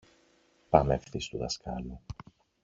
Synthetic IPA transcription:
pɐmefθist̪uðɐskɐlu

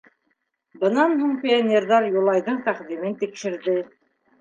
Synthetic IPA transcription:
bɤ̆nɑnɦuɴpʲɪonʲerðɑɾjulˠɑjðɤɴt̪æqðimɘnt̪ikʃɘ̆ɾðɘ

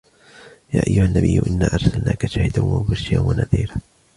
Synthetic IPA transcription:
jaːʔajːʊhanːabɪjːʊʔɪnːaːʔɑɾˤsalnaːkaʃaːhɪd̪anwamʊbaʃɪanwanaðiːɾa

